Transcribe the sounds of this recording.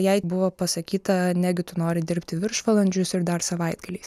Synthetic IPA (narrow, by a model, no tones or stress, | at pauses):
jɛɪbʊʋoːpɐsɐkʲiːt̪ɐnʲæːɡʲɪt̪ʊnoːɾʲɪd̪ʲɪɾʲpʲt̪ʲɪʋʲɪɾʃʋɐlˠɐnʲd͡ʒʲʊsɪɾd̪ɐɾsɐʋɐɪd̪ɡɐlʲiːs